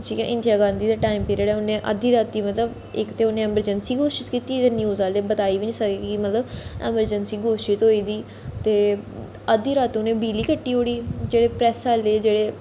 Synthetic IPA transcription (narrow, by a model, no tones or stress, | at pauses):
t͡ʃiːkɛ̰̃ːʔɪ̃nd̪ijaːɡãːnd̪iːd̪aːʈaːimpeːɾeːɽɛːʊnẽːʔə̰d̪iːɾaːt̪ːiːmət̪ləb | ɪkt̪eːʊnẽːɛːməɾd͡ʒənsiːɡoːʃɪt̪kiːt̪iːt̪eːnjuːzaːleːbət̪aːiːʋiːnĩːsəkeːkɪmət̪ləbɛ̰ːməɾd͡ʒənsiːɡoːʃɪt̪ɦoːiːd̪iː | t̪eː | əd̪iːɾaːt̪õʊnẽːbiːliːkəʈːiːɦoːɽiːd͡ʒeːɽeːpɾɛːsaːleːd͡ʒeːɽeː